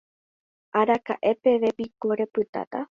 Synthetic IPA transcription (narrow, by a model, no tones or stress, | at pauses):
aɾaka̰ʔe̞pe̞ʋe̞bikoɾe̞pɨt̪a̰t̪a